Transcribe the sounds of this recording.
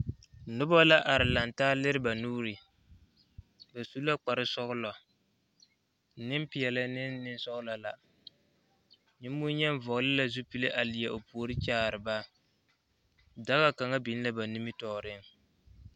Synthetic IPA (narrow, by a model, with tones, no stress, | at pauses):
nʊ˦bɔ˦la˦ʔa˨ɾɪ˨la˨ntaː˦lɪ˦ɾɪ˦ba˨nuː˦ɾɪ˨ | ba˨su˦la˦k͡pa˨ɾɪ˦sɔ˦ɣʊ˦lɔ˨ | nɪ˦m˦pɪ˨jɛ˨la˦nɪ˦nnɪ˦n˦sɔ˦ɣʊ˦la˨la˨ | ɲɪ˦m˦bu˦ɲɛ˦n˦vɔ˨lɪ˦la˨zu˦pi˦le˦ʔa˨lɪ˨jɛ˨ʔo˨pu˨o˨ɾɪ˦t͡ʃaː˦˨ɾɨ˨ba˦ | da˦ɣa˦ka˨ŋa˦bi˨n˦la˦ba˨ni˦mi˦tɔː˨ɾɪ˦ŋ